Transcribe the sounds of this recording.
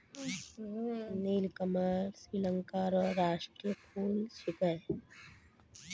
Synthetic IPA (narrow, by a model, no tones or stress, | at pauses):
niːlkəmaɾsɾilə̃ŋkaɾɔɾaːʃʈɾijəkʰuːlsʊpəj